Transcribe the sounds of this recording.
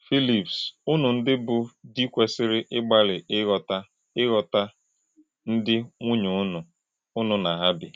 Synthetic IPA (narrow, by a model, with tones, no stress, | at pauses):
fi˦li˨psʊ˦nʊ˨n̩˦dɪ˦bʊ˨di˦kʷe˨sɪ˦ɾɪ˦ʔɪ˦ɡ͡ba˦lɪ˨˦ɣɔ˨ta˦ | ɪ˦ɣɔ˨ta˦ | n̩˦dɪ˦ŋʷu˦ɲʊ˨˦nʊ˨ | ʊ˦nʊ˨na˨ɦa˦bɪ̰˨